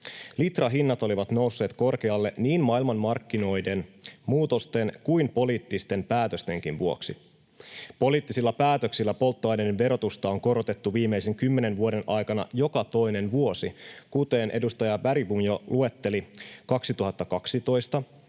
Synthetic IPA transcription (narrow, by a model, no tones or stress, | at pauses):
lit̪rɑɦinːɑt̪o̞liʋɑt̪no̞usːe̞ːt̪ko̞rk̟e̞ɑlːe̞niːnmɑilmɑnmɑrkːino̞jde̞nmuːt̪o̞st̪e̞nkujmpo̞liːt̪ːist̪e̞mpæːt̪øst̪e̞ŋk̟inʋuo̞ksḭ | po̞liːt̪ːisilːɑpæːt̪ø̞ksilːæpo̞lt̪ːoɑjnedenʋe̞ɾo̞t̪ust̪ɑoŋko̞ɾo̞t̪e̞t̪ːuʋiːmːejseŋkymːe̞ne̞nʋuoɾe̞nʔɑjkɑnɑ̰jo̞kɑt̪o̞jne̞nʋuo̞sikut̪e̞ːnʔe̞dust̪ɑjɑʋæɾibumjolʔue̞t̪ːe̞likɑksit̪uɦɑt̪ːɑkɑksit̪o̞jst̪ɑ